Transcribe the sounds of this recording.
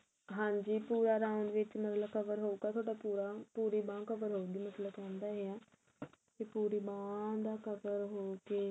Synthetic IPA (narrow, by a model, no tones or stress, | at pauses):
ɦãːɲd͡ʒiːpuːɾaːɾaːʊɳɖʋɪt͡ʃmət̪ləbkʰəʋəɾɦoːuɡaːt̪ʰoːɽaːpuːɾapuːɾiːbãːkəʋəɾɦoːɡiːmət̪ləbãːnd̪aːɦeːãː | kepuːɾiːbãːd̪aːkəbəɾɦoːkeː